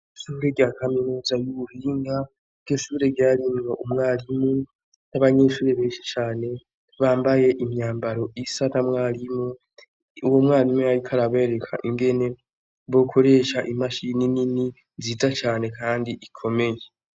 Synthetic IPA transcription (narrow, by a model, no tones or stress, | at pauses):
ʃuːɾeɾɟaːkʰaminuːzajuuhiːŋɡa | ɾɟoʃuːɾe̞ɟaːɾiŋɡoʔumŋaːlimu | naβaɲe̞ːʃuːɾe̞βe̞ːʃi̥t͡ʃaːne̞ | βaːmbaje̞ʔimɲaːmbaɾo̞ʔisanamŋaːlimu | uwomŋaːlimujaɾikʰaɾaβeːɾe̞kʰa̰ʔiŋɡe̞ne̞ | βo̞kʰo̞ɾe̞ːʃaʔimaʃininini | ziːzat͡ʃaːne̞kʰaːndiʔikʰo̞me̞je